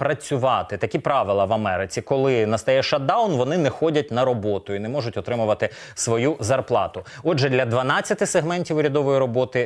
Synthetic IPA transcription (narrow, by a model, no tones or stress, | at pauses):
pɾɐt͡sʲʊʋɑt̪ɪt̪ɐkʲipɾɑʋɪlˠɐʋɐmɛɾɪt͡sʲikɔlˠɪnɐst̪ɐjɛʃɐd̪ɑwnʋɔnɪnɛxɔdʲɐtʲnɐɾɔbɔt̪ʊinɛmɔʒʊtʲɔt̪ɾɪmʊʋɐt̪ɪ | sʋɔjuzɐrplˠɑ̰t̪ʊɔʒɛd̪ʲlʲɐd̪ʋɐnɑt͡sʲːɐt̪ɪseɦmɛnʲtʲiʋʊɾʲɐd̪ɔʋɔjiɾɔbɔt̪ɪ